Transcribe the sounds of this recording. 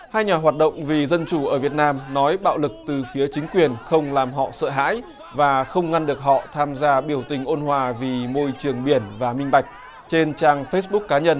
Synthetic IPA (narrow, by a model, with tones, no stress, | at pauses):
haː˧jɲaː˨˩ɦwaː˨˩t̚ɗə̰˧˨wŋ͡mvi˨˩zə˧nt͡ɕu˧˩ʔəː˧˩vi˨˩ət̚naː˧mnɔ˨˦jɓa̰ː˧˨wlɨ˨˩k̚t̪ɨ˨˩fi˨˦ət͡ɕï˨˦ŋ̟kwi˨˩ənxə˧wŋ͡mlaː˨˩mɦɔ̰˧˨sə̰ː˧˨ɦa̰ː˧˥j | vaː˨˩xə˧wŋ͡mŋa˧nɗɨ˨˩ək̚hɔ̰˧˨t̪ʰaː˧mzaː˧ɓi˧˩əwt̪ï˨˩ŋ̟ʔo˧nhwaː˨˩vi˨˩mo˧jt͡ɕɨ˨˩əŋɓi˧˩ənvaː˨˩mï˧ŋ̟ɓa˨˩jk̟̚ | t͡ɕe˧nt͡ɕaː˧ŋfe˦˥s̚ɓʊ˦˥k̚kːaː˨˦ɲə˧n